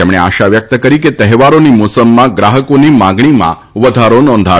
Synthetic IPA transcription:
emɽ̃ea̰ʃaʋjək̚t̪əkəɾiket̪əɦʋaɾonimosəmːãɡɾaɦəkonimãɡɳ̃imã̰ | ʋəd̪ʱaɾonɔ̃nd̪ʱa

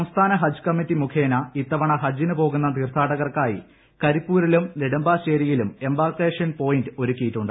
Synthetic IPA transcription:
sɐmst̪ʰaːnɐɦɐd͡ʑkɐmːitːimukʰe̞ːnɐit̪ːɐʋɐɳɐɦɐd͡ʑinɨpo̞ːɣun̪ːɐt̪iːrt̪ʰaːɽɐɣɐrkaːjḭ | kɐɾipːuːɾilumniɽɐmbaːɕeːɾijilume̞mbaːrkeːʂɐnpo̞ːjindɨo̞ɾukʲːijiʈːuɳɖɨ

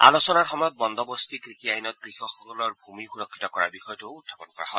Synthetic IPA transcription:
a̰losɔnaɹxɔmɔjɔt̪̚bɔnd̪ɔbɔst̪ikɹikiajnɔt̪̚kɹixɔxɔlɔɹbʱumixuɹɔkʰːi̥tɔkɔɹa̰bixɔjɔtoutʰːabɔnkɔɹa̰hɔ̰

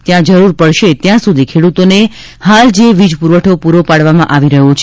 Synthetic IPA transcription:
t̪jãd͡ʒəɾuɾpəɽʃet̪jãsud̪ʱikʰeɽut̪one | hald͡ʒeʋid͡ʒpuɾʋəʈʰopuɾopaɽʋamã̰ʔaʋiɾəɦot͡ʃʰe

